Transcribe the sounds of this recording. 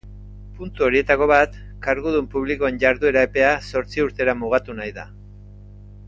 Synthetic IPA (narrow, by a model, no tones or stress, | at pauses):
punt̪uo̞ɾie̞t̪ako̞βat̪ | kaɾɣuð̞umpuβ̞liko̞e̞ɲʝaɾðue̞ɾaepe̞aso̞ɾt͡siuɾt̪e̞ɾamuɣ̞at̪unajða̰